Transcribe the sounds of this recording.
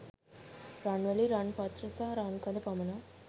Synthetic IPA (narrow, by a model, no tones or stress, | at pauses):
ɾaːɳʋɐliɾaːɳpaːt̪ɾɐsaɦɾaːnkɐlɐpɐmɐna